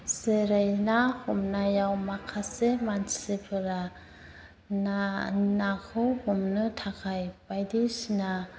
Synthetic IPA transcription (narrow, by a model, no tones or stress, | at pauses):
seɾajnahumnajawmakʰasemansepʰɯɾa | nanakʰɯwhumnɯtʰakʰajpajdisna